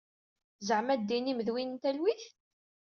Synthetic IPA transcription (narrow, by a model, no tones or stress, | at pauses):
zəʕmæd̪ːiniməðwinənt̪ælwiθ